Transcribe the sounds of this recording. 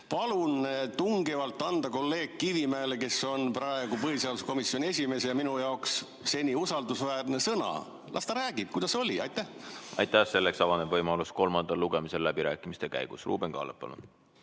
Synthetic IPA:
pɑlunt̪uŋɡevɑlt̪ːˑɑnd̪ɑko̞lːe̞ːɡ̥kːivimæeleke̞so̞nprɑe̞ɡ̥upɤɦiseɑlusko̞misjo̞ne̞sʲime̞sejɑminujɑoksː | e̞nʲiusɑld̪usvæːrne̞sɤnɑ̰ | lʔɑ̰st̪ɑɾæːɡib̥̚kujd̪̥ɑso̞lʲiɑjt̪ːæhɑ̰jt̪ːæhse̞lːeksɑvɑnebvɤjmɑlusko̞lmɑnd̪ɑlːuɡ̥emise̞llæbiɾæːkːˑimist̪e̞kæ̰jɡ̥usrṵːb̥eŋkɑ̰ːleppːɑ̰lṵn

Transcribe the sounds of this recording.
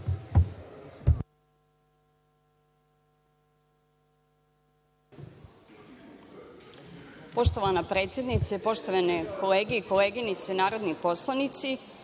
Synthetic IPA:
po̞ʃt̪o̞ʋanapɾeːt̪sjed̪nit̪sepo̞ʃt̪oʋanekʰo̞leːɡeikoleːɡinit̪senaːɾo̞d̪nipo̞slˠanit̪si

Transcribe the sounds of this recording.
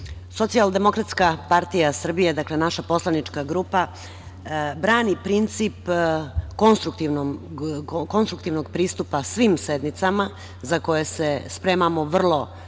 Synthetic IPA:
so̞t̪siald̪e̞mo̞kɾat̪skapaɾt̪ijasr̩bijed̪akle̞naʃapo̞slˠanit͡ʂkaɡɾuːpa | bɾaːnipɾint̪sip | ko̞nst̪ɾukt̪iʋno | ko̞nst̪ɾuk̚t̪iʋnoɡpɾiːst̪upasʋimsed̪nit̪sama | zako̞jesespɾeːmamo̞ʋr̩lˠo̞

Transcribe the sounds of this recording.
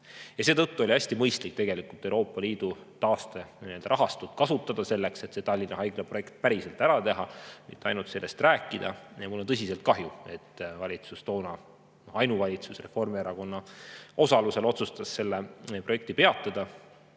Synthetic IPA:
jɑse̞ːt̪ɤt̪ːuo̞lʲiæsʲt̪imɤjst̪lik̚t̪e̞ɡ̥e̞likult̪ːˑe̞wɾo̞ːpːɑliːd̪̥ut̪ɑːst̪enield̪ɑɾɑɦɑst̪ut̪̚kɑsut̪ːˑɑd̪̥ɑse̞lːe̞kse̞t̪se̞t̪ɑlʲːinːɑɦɑjɡlepro̞je̞kt̪̚pæɾise̞lt̪æɾɑt̪e̞ɦɑmḭt̪ːˑeɑjnult̪se̞lːe̞st̪ræːkːˑid̪̥ɑ̰jɑmulont̪ɤs̬ʲise̞lt̪̚kɑɦjue̞t̪ːvɑlʲit̪sust̪o̞ːnɑ | noɑjnuvɑlʲit̪susre̞fo̞rmieɾɑko̞nːɑo̞sɑluse̞lo̞t̪sust̪ɑsːe̞lːepro̞je̞k̚t̪ipe̞ɑt̪ˑːɑd̪̥ɑ

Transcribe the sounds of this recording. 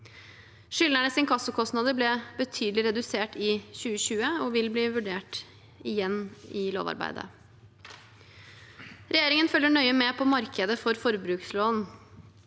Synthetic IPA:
ʂʏlnəɳəsɪnkʰɑsːəkʰɔst̪nɑd̪əblɛbət̪ʰyːd̪lɪɾɛd̪ʉseːʈɪçʉːəɕʉːəɔʋɪlbliːʋʉɖeːʈ | ɪjɛnːɪlo̰ːʋɑ̰ɾbæ̰ɪd̪ə̰ | ɾɛjeːɾɪŋənfœlːəɳœʏəmɛpʰɔmɑɾkʰəd̪əfɔɾfɔɾbɾʉːksloːn

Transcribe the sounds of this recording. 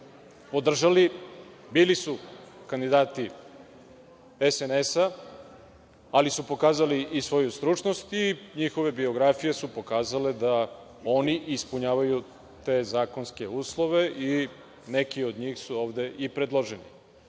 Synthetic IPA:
pod̪r̩ʒali | biːlisukand̪id̪aːt̪i | esenesa | alisupo̞kaːzaliʔisʋo̞just̪ɾut͡ʃnost̪iɲixo̞ʋe̞bio̞ɡɾafije̞supo̞kaːzale̞d̪a | o̞niʔispuɲaːʋaju | t̪e̞ːzaːko̞nske̞uːslˠo̞ʋe̞ʔi | ne̞kio̞d̪ɲiːxsuo̞ːʋd̪e̞ʔipɾed̪lˠo̞ʒenḭ

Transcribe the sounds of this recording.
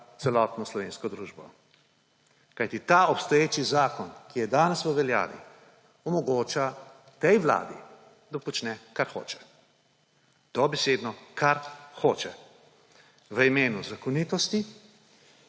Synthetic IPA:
t̪sɛlɔt̪nɔslɔʋeːnskɔd̪ɾuːʒbɔ | kajt̪it̪aːɔpst̪ɔjeːt͡ʃizaːkɔnkijɛd̪aːnɛsʋəʋɛlja̰ːʋḭ | ɔmɔɡoːt͡ʃa | t̪ɛjʋla̰ːd̪ḭ | d̪apɔt͡ʃnɛkaɾxo̰ːt͡ʃɛ̥ | d̪̥ɔbɛseːd̪nɔkaɾxoːt͡ʃɛ | ʋəimeːnuzakɔniːt̪ɔst̪i

